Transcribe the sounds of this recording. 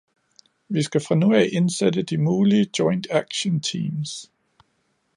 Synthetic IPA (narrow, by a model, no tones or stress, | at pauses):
ʋisɡ̥æfʁɑ̈nuɛ̰ɪʔe̝nsed̥əd̥imuːliəd̥jɒ̽ɪnd̥æɡ̥ɕənt͡sʰḭːms